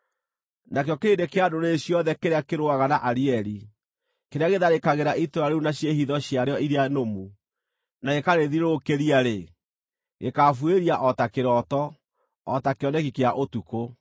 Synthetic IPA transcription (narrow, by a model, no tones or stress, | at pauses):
nakeɔkeedekeadoɾeɕjɔðɛkeɾeakeɾoaɣanaʔaɾiɛɾi | keɾeaɣeðaɾekaɣeɾaʔitoɾaɾeunaɕjehiðɔɕjaɾeɔiɾeanomu | naɣekaɾeðiɾɾokeɾiaɾe | ɣekafweɾiaʔɔtakeɾɔtɔ | ɔtakeɔnɛkikeaʔotuko